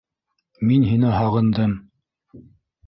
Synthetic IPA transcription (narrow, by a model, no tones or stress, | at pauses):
minɦinɘɦɑʁɤ̆nd̪ɤm